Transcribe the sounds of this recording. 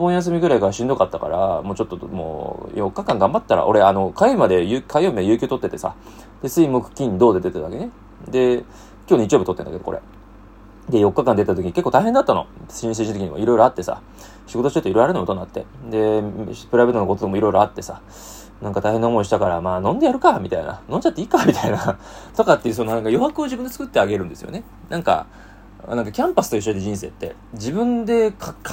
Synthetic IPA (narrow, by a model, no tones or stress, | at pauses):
bõ̞ɰ̃jas̬ɨmʲiɡɯ̟ɾaikaaɕĩnd̪o̞kat̪ːaka̰ɾa̰mo̞ːt͡ɕo̞t̪ːo̞mo̰ːjo̞kːakãŋɡãmbat̪ːaɾa̰ʔo̞ɾe̞ano̞kaimad̪e̞jɨkʰaioːmʲiajɯ̟ːkʲoːt̪o̞t̪ːe̞t̪esa̰ | d̪e̞sɨimokɯ̟̥kʲĩnd̪o̞ːd̪e̞d̪e̞t̪ad̪ake̞ne̞ | d̪e̞ | kʲoːnit͡ɕijo̞b̟t̪ot̪ːenakeoko̰ɾe̞̰ | d̪e̞jo̞kːakãnd̪et̪at̪okʲiɲikekːot̪aiɦend̪at̪ːano̞̰sĩs̬ẽʑint̪kiɲimoiɾo̞jɾo̞at̪ːe̞sa̰ | ɕiɡo̞t̪o̞ɕi̥t̪ot̪oiɾoɾaɾnojot̪onːat̪ːe̞̰d̪e̞pɯ̟ɾaβet̪onokot̪ookamoiɾo̞jiɾo̞at̪ːe̞sa | nãŋkat̪aihenːaomo̞iɕit̪akaɾamaːnõ̞nd̪e̞jaɾɯ̟kamʲit̪aina̰nõ̞ɲt͡ɕat̪ːeiːkamʲit̪aina | t̪o̞kat̪ːe̞jɯ̟so̞no̞nãŋkajo̞wakɯ̟od͡ʑibɯ̟nd̪t͡sɨ̥kɯ̟t̪ːe̞aɡe̞ɾɯ̟̃nd̪e̞sɨjo̰ne | nʔãŋka̰ | nãŋkakʲãmpasɨ̥t̪oiɕ̬ːoid̪ed͡ʑĩs̬e̞ːt̪ːe̞ | d͡ʑibɯ̟̃nd̪e̞kʰa